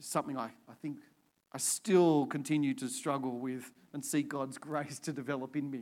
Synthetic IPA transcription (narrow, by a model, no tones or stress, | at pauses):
sʌ̃mθɪ̃ŋaɪaɪθɪ̃ŋk | ʔaɪstɪlˠkʰɨ̃ntʰɪ̃njʉtʰɨstɹ̥ʌɡl̩ˠwɪð̥ | ɨ̃nsiɡ̥ɑdzɡɹeɪstʰɨdɨvɛlˠəpɨ̃nmi